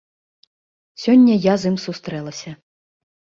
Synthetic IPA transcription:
sʲɔnʲːɐjazɨmsust̪ɾɛlˠɐsʲɐ

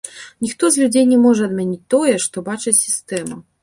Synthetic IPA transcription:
nʲixt̪ɔzʲlʲud͡zʲejnʲɛmɔʐɛɐd̪mʲɛnʲit͡sʲt̪ɔjɛʂt̪ɔbat͡ʂɨsʲist̪ɛmu

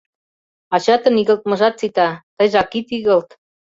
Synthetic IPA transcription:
ɑt͡ɕɑt̪ɤ̆niɣə̆lt̪̚mɤ̆ʒɑt̪̚t͡sit̪ɑt̪ɤjʒɑkit̪iɣə̆lt̪

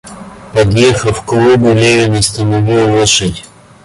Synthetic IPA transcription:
pɐd̪jexəfklˠubɨlʲevʲɪnʲɪst̪ənɐvʲilˠlˠoʂɨtʲ

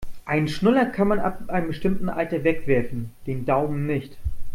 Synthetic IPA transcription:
ʔaɪnənʃnɪlɐkʰanmana̰pʔaɪnəmbəʃtɪmtn̩ʔaltɐvɛkv̥ɛɐfn̩d̥eːndaʊmənnɪçt

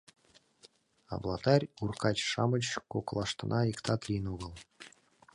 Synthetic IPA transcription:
ɑ̰blˠɑt̪ɑɾʲurkɑt͡ɕʂɑmət͡ɕkoklˠɑʂt̪ɤ̆nʔɑikt̪ʰɑt̪lʲinuɣɤ̆lˠ

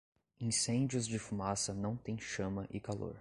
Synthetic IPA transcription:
ĩsẽd͡ʒiʊzd͡ʒɪfumasɐnɐ̃w̃t̪ẽj̃ʃɐ̃mɐʔɪkalo̰ɾ

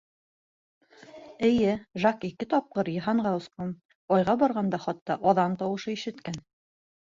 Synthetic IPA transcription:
ɘ̆jɘʒakikɘt̪ɒp̚qɤɾjɤ̆ɦɑɴʁɑɤ̆sqom | ɒjʁɑbɒɾʁɑnd̪ɑχɑt̪ːɑʔɒðɑnt̪ɑwɤ̆ʃɤiʃɘ̆t̪kæn

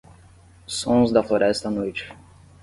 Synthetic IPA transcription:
sõzd̪ɐfloɾɛst̪ɐnojt͡ʃɪ̥

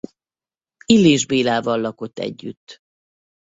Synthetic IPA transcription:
ilːeːʒbeːlaːvɒlːɒko̞t̪ːɛ̰ɟːyt̪ː

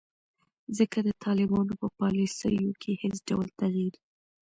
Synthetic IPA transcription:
zəkad̪ət̪ʰɑlɪbɑnopəpɑlisə̰jokʰehɪsɖawlt̪aɣid̪

